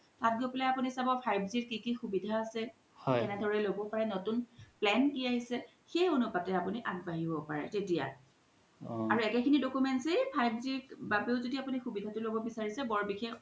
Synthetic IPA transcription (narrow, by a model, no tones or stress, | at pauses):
tat̚ɡopɛlaapunisabɔpʰajbziɹkikixubidʱaːsɛ | hɔɛnɛdʱɔɹɛlobɔpaɹɛnotunplɛnkiaɦisɛ | xejonupatɛapuniʔaɡbaɦibɔpaɹɛ̰tetija̰ | aɹuɛkɛkʰinidokumɛntsejpʰajbziɹbabiʊzodiapunixubidʱatʊlobɔbisaɹisɛbɔɹbixex